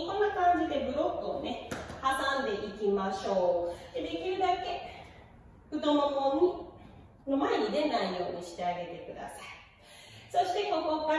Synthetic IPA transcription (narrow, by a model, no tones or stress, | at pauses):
kõ̞nːakãɲ̟d͡ʑid̪e̞bɯ̟ɾo̞kːɯ̟o̰ne̞hasãnd̪e̞ʔikʲimaɕo̞ːd̪ed̪e̞kʲiɾɯ̟d̪ake̞ | ɯ̟t̪o̞mokõ̞ɲːi | no̞mae̞ɲ̟id̪e̞naijo̞ːɲ̟iɕi̥t̪e̞aɡe̞t̪e̞kɯ̟d̪a̰sai̥ | so̞ɕi̥t̪e̞ko̞ko̞ka